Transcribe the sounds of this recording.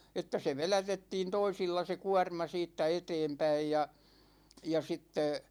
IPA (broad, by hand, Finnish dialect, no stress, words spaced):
etːæ se ʋelætetːiːn toisilːɑ se kuɒrmɑ siːtːæ eteːmpæij jɑ jɑ sitːe